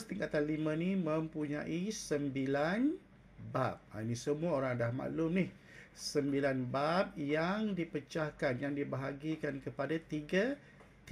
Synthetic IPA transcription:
st̪iŋkat̪anlimãnimə̃mpuɲãʔisəmbilan | ba̰p̚a̰inĩsəmũaoɾaŋdahma̰lʊmnih | səmbilanbap̚jaŋdipət͡ʃahkanjaŋdibaɦaɡikankəpadat̪iɡa | t̪

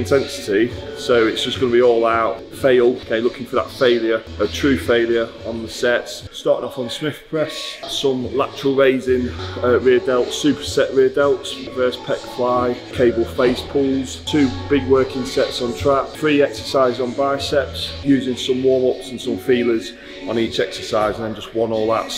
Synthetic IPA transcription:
ɪ̃ntʰɛ̃nsɪ̥tʰisoʊɪtsd̥ʒ̥ʌsɡ̥ʌnəbiɔːlaʊt | feɪlˠkʰeɪlʊkɪ̃ŋfəðə̰tfeɪlˠjəɹ | ətʰɹ̥ʉːfeɪlˠjəɹ | ə̃nðəsɛtsstɑˑtɪ̃ŋɒfn̩smɪfpʰɹ̥ɛssʌ̃mlak̚t͡ʃʰəɹəlˠɹeɪzɪ̃ŋəɹiədɛlˠtsʉˑpʰə̥sɛʔɹiədɛlˠts | vɜːˑspʰɛkfaɪ̥kʰeɪbəl̩ˠfeɪspʰuːlˠz̥tʰʉːb̥ɪɡwɜˑkɪ̃ŋsɛtsn̩tʰɹ̥apfɹiːɛksəsaɪzn̩baɪəsɛtsjʉːzɪ̃ŋsʌ̃mwɔːmʊpsə̃nsʌ̃ɱfiːləz | ə̃niˑt͡ʃɛksəsaɪzə̃nðə̃nd͡ʒʌstwʌ̃nɔːlˠðə̰t

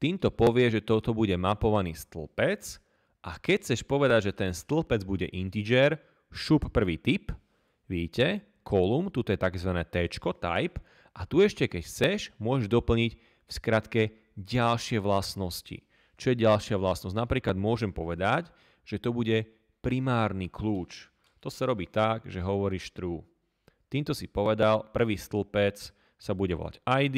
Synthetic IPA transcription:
t̪iːmt̪ɔpɔʋɪɛʒɛt̪ɔt̪ɔbuɟɛmapɔʋaniːst̪l̩pɛt͡s | ʔakɛcʰt͡sɛʃpɔʋɛd̪aɟʒɛt̪ɛnst̪l̩pɛd͡zbuɟɛ̰ʔint̪id͡ʒɛɾ | ʃupːr̩ʋiːt̪ip | ʋicɛ | kʰɔlumt̪ut̪ɔjɛt̪akzʋanɛːt̪ɛt͡ʃkɔt̪a̰jp | ʔat̪uɛʃcɛkɛcxt͡sɛʃmʊɔʒɛʒd̪ɔpl̩ɲic | fskɾat̪kɛ | ɟalʃɪɛʋlasnɔscḭ | t͡ʃɔjɛɟalʃɪaʋlasnɔsznapɾiːklad̪mʊɔʒɛmpɔʋɛd̪ac | ʒ̥ɛt̪ɔbuɟɛ | pɾimaːɾnikluːt͡ʃ | t̪ɔsaɾɔbiːt̪aɡʒɛɦɔʋɔɾiːʃt̪ɾuː | t̪iːmt̪ɔsipɔʋɛd̪alpr̩ʋiːst̪l̩pɛt͡s | sabuɟɛʋɔ̰la̰ɟajd̪i

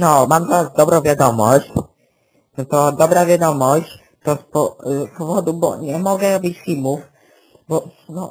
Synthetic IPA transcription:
nɔmamzaɾazd̪ɔbɾɔ̃w̃vʲjad̪ɔmɔɕt͡ɕ | nɔt̪ɔd̪ɔbɾavʲjad̪ɔmɔɕt͡ɕ | t̪ɔspɔpɔvɔd̪ubɔ̰ɲɛmɔɡɛbʲit͡ɕfʲilmuf | bɔ | nɔ

